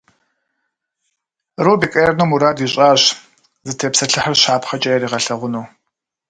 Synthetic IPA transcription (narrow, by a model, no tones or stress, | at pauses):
roːbiːkʼɐjɛrnuːmuɾaːdiɕʼaːɕ | zɨtʰeːpsɐɬɨħɐrɕaːpχɐt͡ʃʼɐjɛɾiːʁɐɬɐʁʷʊnuː